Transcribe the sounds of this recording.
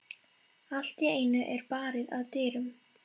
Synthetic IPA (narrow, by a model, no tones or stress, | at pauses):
al̥t̪ɛeːjnʏʔɛɾpaːɾɪðaðt̪ɪːɾʏm